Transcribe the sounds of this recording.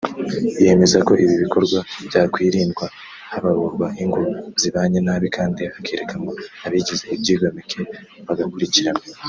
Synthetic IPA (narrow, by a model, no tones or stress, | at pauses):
je̞me̞zako̞ʔiβiβiko̞ɾɡwaβ̥jaːkwiːɾiːndɡwa | haβaɾuːɾɡwaʔiŋɡuz̥iβaːɲenaːβikʰaːndiakeɾekʰamoaβiɟize̞ibɟiːβomikʰe̞βaɡakuɾiciɾamo